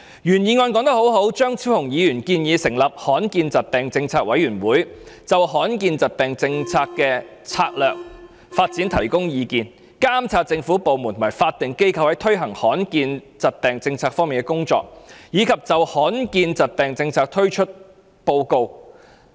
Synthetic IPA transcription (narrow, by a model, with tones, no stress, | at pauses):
jyː˨˩njiː˨˧ŋɔː˧nkɔː˨˥ŋt̪ɐ˥k̚ho˨˥wɦo˨˥wt͡ʃœː˥ŋt͡sʰiː˥hʊ˨˩ŋjiː˨˧jyː˨˩nkiː˧njiː˨˧sɪ˨˩ŋlɐ˨p̚hɔː˨˥nkiː˧nt͡sɐ˨t̚t̪ɛː˨˩ŋt͡sɪ˧ŋt͡sʰaː˧k̚wɐ˨˥jyː˨˩nwuː˨˥jt͡sɐ˨whɔː˨˥nkiː˧nt͡sɐ˨˩t̚t̪ɛː˨ŋt͡sɪ˧ŋt͡sʰaː˧kːɛː˧ | t͡sʰaː˧k̚lœː˨˩k̚ | faː˧t̚t͡siː˨˥nt̪ʰɐ˨˩jkʊ˥ŋjiː˨˧kiː˧n | kaː˥mt͡sʰaː˧t̚t͡sɪ˧ŋfuː˨˥po˨˧wmu˨˩nt̪ʰmaː˨˩faː˧t̚t̪ɪ˨ŋke˥jkʰɐ˧whɐ˨˥jt̪ʰɵ˥ɥɦɐ˨˩ŋhɔː˨˥nkiː˧nt͡sɐ˨t̚t̪ɛː˨ŋt͡sɪ˧ŋt͡sʰaː˧k̚fɔː˥ŋmiː˨nkɛ˥kʊ˥ŋt͡sɔ̰ː˧k̚jiː˨˧˥kʰɐ˨p̚t͡sɐ˨whɔː˨˥nkiː˧nt͡sɐ˨t̚t̪ɛː˨˩ŋt͡sɪ˧ŋt͡sʰaː˧k̚t̪ʰɵ˥ɥt͡ʃʰɵ˥t̚ | po˧wko˧w